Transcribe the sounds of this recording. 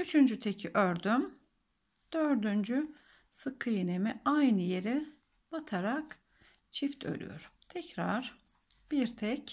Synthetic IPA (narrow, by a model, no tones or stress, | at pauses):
yt͡ʃʰynd͡ʒyt̪ʰecʰiʔøɾd̪ym | d̪̥øɾd̪ynd͡ʒy | sɯkʰːɯjɯnemiajnɯje̞ɾi | bat̪ʰaɾak | t͡ʃʰift̪ʰø̰lʲy̰jo̞̰ɾmt̪ʰɛcɾa̰ɾ̥ | b̥iɾt̪ʰɛc